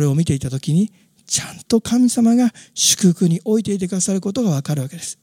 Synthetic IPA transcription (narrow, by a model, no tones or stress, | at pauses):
ɾeo̞mʲit̪e̞it̪at̪o̞kʲiɲ̟i | t͡ɕãnt̪o̞kʰamʲisamaɡaɕɨ̥kɯkɯ̟ɲ̟iʔo̞it̪e̞it̪̬e̞kɯ̟d̪asaɾɯ̟ko̞t̪o̞ɡaβ̞akaɾɯβake̞d̪e̞sɨ̥